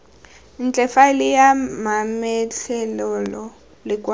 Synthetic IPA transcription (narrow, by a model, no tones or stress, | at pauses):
int͡ɬʼɛfalijamamɛt͡ɬʰɛlɔlɔ | likʼwa